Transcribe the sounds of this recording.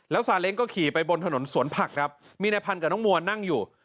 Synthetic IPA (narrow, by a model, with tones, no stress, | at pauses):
lɛː˦˥wsaː˨˦le˦˥ŋkɔː˥˩kʰiː˨˩pa˧jbo˧nt̪ʰa˧no˩˦nsu˨˩˦ənpʰa˨˩k̚kʰa˦˥p̚ | miː˧na˧jpʰa˧nka˨˩nɔː˦˥mu˧ɐəna˥˩ŋjuː˨˩